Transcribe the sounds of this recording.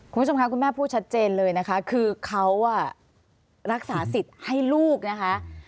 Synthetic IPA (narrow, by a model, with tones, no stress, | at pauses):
ku˧˩˧uː˥˩o˧kʰa˦˥kʰu˧nmɛː˥˩pʰuː˥˩t̪̚t͡ɕʰa˦˥t̪̚t͡ɕeː˧nlɤː˧jna˦˥kʰa˦˥kʰɯː˧kʰa˦˥wa˥˩ | ɾa˦˥k̚saː˩˦si˨˩t̪̚ha˥˩jluː˥˩k̚na˦˥kʰa˦˥ʔ